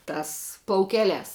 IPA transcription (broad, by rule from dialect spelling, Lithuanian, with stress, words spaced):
ˈtɑːs plˠɐʊˈkʲæːˌlʲæːs